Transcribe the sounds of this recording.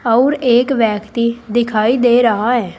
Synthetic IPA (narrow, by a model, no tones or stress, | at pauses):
ɔʊɾeːkʋɛːkt̪iːd̪ɪkʰaːiːd̪eːɾəɦaːɛː